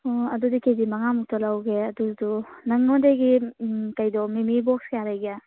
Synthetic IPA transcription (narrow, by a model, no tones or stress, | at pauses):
ɔɐdudikezimaŋamuk̚tɔlawɡeɐduzdunɐŋnɔdeɡikajdɔmemibɔkskejaɾajɡa